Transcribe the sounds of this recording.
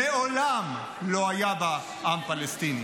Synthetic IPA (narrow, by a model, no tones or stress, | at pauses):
eolam | loajaba | ampalest̪ini